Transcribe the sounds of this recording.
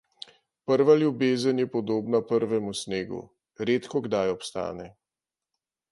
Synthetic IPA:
pəɾʋaljubeːzənjɛpɔd̪oːbnapəɾʋɛmusneːɡṵ | ɾet̪kɔɡd̪ajɔpst̪a̰ːnɛ

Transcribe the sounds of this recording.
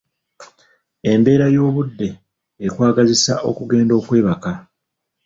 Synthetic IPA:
e̞mbe̞ːɾajo̞ːβudːe̞ː | kwaːɡazisa̰ʔo̞̰kuɡe̞ːndo̞ːkwe̞ːβaka

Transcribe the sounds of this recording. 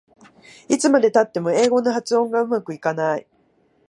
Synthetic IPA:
it͡sɨmad̪e̞t̪at̪ːe̞mo̞e̞ːɡo̞no̞ɦat͡sɨõ̞ŋɡaɯ̟makɯ̟ikanai

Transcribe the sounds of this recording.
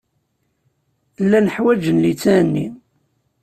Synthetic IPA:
lːænəħwæd͡ʒənlit͡sːænːḭm

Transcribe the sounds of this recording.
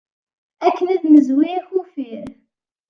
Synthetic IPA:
ækːənæðməzwixufiɾ

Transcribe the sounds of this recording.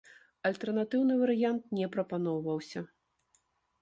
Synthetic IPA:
ɐlʲt̪ɛrnat̪ɨwnɨvɐɾɨjant̪̚nʲɛpɾɐpan̪ɔwvɐwsʲɐ

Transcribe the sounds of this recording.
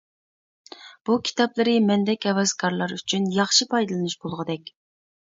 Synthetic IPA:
b̥ukʲʰi̥t̪ɑplˠɨɾɨmɛnd̪ɛkʲɛwɛz̥kʰɑɾlˠɑɾyt͡ʃʰynjɑχʃipʰɑjd̪ɨlˠɨnuʃbolˠʁəd̪ɛkʲ

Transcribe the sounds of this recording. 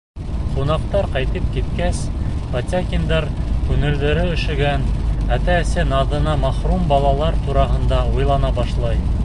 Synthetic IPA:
qunɑqt̪ɑɾqɑjt̪ɤp̚kit̪kæspɐt̪ʲakʲind̪ɑɾkʉŋɘ̆ɾðɵ̆ɾɘɵ̆ʃɘ̆ɡænæt̪æɘ̆sɘnɑðɤ̆nɑmɑχrumbɑlˠɑlˠɑɾt̪uɾɑɦɤ̆nd̪ɑujlˠɑnɑbɑʃlˠɑj

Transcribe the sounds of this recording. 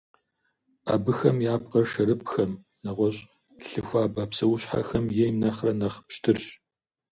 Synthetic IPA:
ʔa̰ːbɨxɐmjaːp̚qʼɐrʃɐɾɨp̚xɐm | nɐʁʷɔɕʼ | ɬɨxʷaːbaːpsɐwʊɕħa̰xɐmjɛjmnɐχrɐnɐχpʃtʰɨrɕ

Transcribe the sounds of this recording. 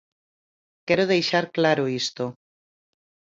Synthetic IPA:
kɛɾoðejʃaɾklaɾoist̪o

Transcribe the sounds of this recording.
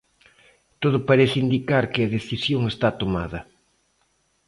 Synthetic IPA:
t̪oðʊpaɾeθɪind̪ikaɾkɪɐðeθisjoŋest̪at̪oma̰ðɐ

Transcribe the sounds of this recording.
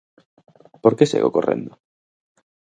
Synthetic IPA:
poɾkesḛɣokorḛ̃nd̪o

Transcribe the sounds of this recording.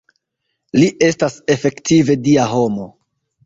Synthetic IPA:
liʔe̞stase̞fe̞ktive̞diaɦo̞mo̞

